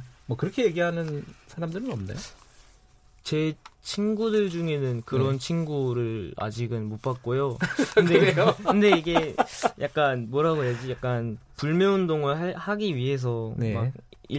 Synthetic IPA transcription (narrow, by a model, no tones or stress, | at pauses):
mwʌkɯɾʌkʰe̞je̞ɡiɦanɯnsʰaɾamdɯɾɯnʌmna̰j | t͡ɕe̞t͡ɕʰinɡudɯɭd͡ʑuŋe̞nɯnkɯɾʌnt͡ɕʰinɡuɾɯɭa̰d͡ʑiɡɯnmop͈ak̚k͈ojokɯndekɯnde̞iɡe̞jak̚k͈anmwʌɾaɡojad͡ʑijak̚k͈anpuɭmjʌundoŋɯɭahaɡiɥiɦe̞s̬ʰʌnemaɡ | ḭ